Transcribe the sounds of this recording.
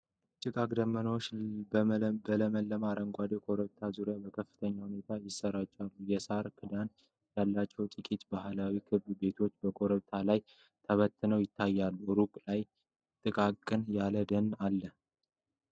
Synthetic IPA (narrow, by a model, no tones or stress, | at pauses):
t͡ʃʼɨkʼakʼd̪əmːəno | bələməlːəmaɾəŋɡʷad̪ekʼo̞ɾəβt̪ʰazuɾjabəkʰəfːɨ̥t̪ʰəɲːahune̞t̪ʰajɪsːəɾat͡ʃːalːujɛsaɾkʰɨd̪an | jalːat͡ʃːɛwt̪ʼɨkʼit̪bahlawikʰɨβbe̞t̪ʰo̞t͡ʃːbəkʼo̞ɾəβt̪ʰalaj | t̪ʰəβət̪ʰːɨnəwjɪt̪ʰːajːalːuɾukʼlaj | t̪ʼɨkʼakkʼːɨnjaləd̪ənːalːə